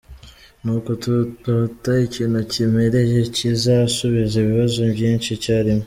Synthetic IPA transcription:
nukotututaiciːnucimeɾeʒecizasuβizeβiβazoβɟiːnt͡ʃicaɾimo

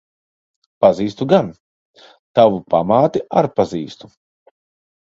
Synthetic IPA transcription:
paziːst̪uɡan | t̪avupa̰maːt̪iaɾpaziːst̪u

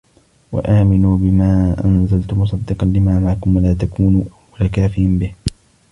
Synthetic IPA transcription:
wa̰ʔaːmɪnuːbɪmaːʔa̰nzalt̪ʊmʊs̬ˤɑd̪ːɨqɑnlɪmaːmaʕkʊmwalaːt̪akuːnuʔawalaːkaːfɪjanbɪh

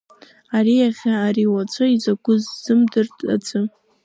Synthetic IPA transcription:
aɾiaχʲaːɾiwat͡sʷʰoizaɡʷʊzzɨmdɨrtʼa̰d͡zʰɨ

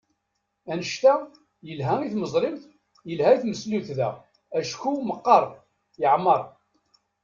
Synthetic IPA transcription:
ænəʃt̪æ | jəlɦæiθməzˤɾɪmθ | jəlhæiθməsluθðæ̰ | æʃkuməqːɑɾˤ | jəʕmːəɾˤ

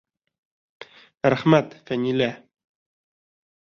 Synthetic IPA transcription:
ɾæχmæt̪fænilæ

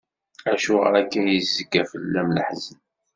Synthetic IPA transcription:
æʃuʁə̰ɾækːæjəzːəkːæfəlːæmləħzən

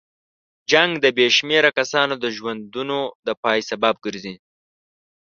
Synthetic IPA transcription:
d͡ʒaŋɡd̪əbeʃmeɾakasɑnod̪əʒwand̪unod̪əpɑjsabab̚ɡəɾzi

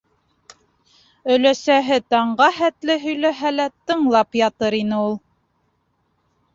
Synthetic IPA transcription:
ɵ̆læsæɦɘt̪ɑɴɢɑhæt̪lɘɦɵ̆jlæɦælæt̪ɤ̆ɴlˠɑpjɑt̪ɤɾinɘulˠ

